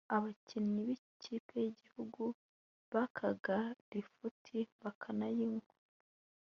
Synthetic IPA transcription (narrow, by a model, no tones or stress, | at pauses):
aβacʰiniβicʰipʰejiɟihuɡu | βakʰaɡaɾifutʰiβakʰanajiŋɡu